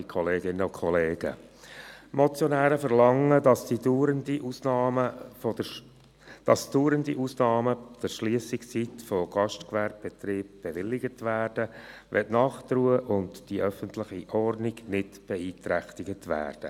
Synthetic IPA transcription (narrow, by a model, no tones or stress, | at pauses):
kʰɔleːɡɪnəʊkʰχɔleːɡ̥ə̰ | mɔt͡sjɔnæːɾəfəɾlɑŋːədɑsd̥iduɾəndiʔusnɑməf | d̥ɑsd̥uːɾəndḭʔusnɑːməd̥əɾʃliəsɪkst͡sit̪fɔɡ̥ɑʃtkʋæɾp̚b̥ɛt̪ɾiːb̚b̥ɛʋɪlːɪɡətʋæːrd̥əʋɛ̰tnɑːχt̪ruːəʔʊntd̥iʔœfəntlɪχiʔɔrdniɡnɪtb̥ɛiːt̪ɾæχt̪ɪɡətʋæ̰ːrd̥ə̰